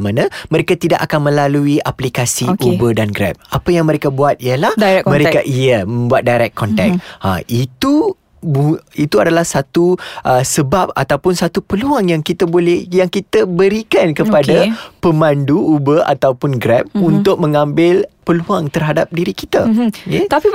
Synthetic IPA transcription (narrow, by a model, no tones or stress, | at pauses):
manãməɾekat̪idaʔakanmə̃laluiʔaplikasiʔubədanɡɾɛ̰p̚apajaŋmə̃ɾekabuat̪̚ijəlahdaɛmə̃ɾekaʔijəmə̃mbuat̪̚dajɾɛk̚kːɔnt̪ɛ̰k̚a̰it̪u | buit̪uadalahsat̪uʔəsəbap̚a̰t̪awpʊnsat̪upəluaŋjaŋkit̪abolɛjaŋkit̪abəɾikankəppadapəmãnduubəʔa̰t̪awpʊnɡɾɛp̚unt̪ʊk̚mə̃ŋãmbɪlpəluaŋt̪ərɦadap̚diɾikit̪aket̪ai